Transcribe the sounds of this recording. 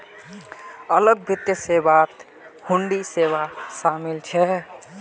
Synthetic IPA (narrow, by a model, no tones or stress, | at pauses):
ələɡ̚bʱit̪jəsebat̪ | huɳɖiseβasamilt͡ʃʰɛ